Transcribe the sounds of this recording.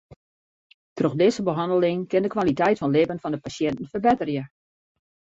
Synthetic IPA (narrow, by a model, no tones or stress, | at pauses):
troxdɪːzəbəɦɑndəlɪŋkɪndəkʋalitɛjtfɔnlɪbənfɔndəpasjɛntən̩fərbɪtərjə